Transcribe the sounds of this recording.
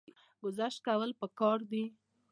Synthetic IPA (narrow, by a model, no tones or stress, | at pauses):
ɡʊzaʃt̪̚kawəlpəkɑɾd̪i